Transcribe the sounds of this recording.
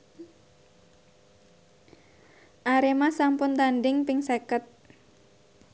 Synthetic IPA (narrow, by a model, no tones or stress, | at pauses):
ʔaɾemasampʊnt̪andɪŋpɪŋsekət̪̚